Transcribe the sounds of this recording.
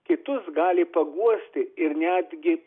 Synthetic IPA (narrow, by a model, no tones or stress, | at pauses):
kʲɪt̪ʊsɡɑːlʲɪpɐɡuɔsʲt̪ʲɪɪɾnʲæːd̪ʲɡʲɪ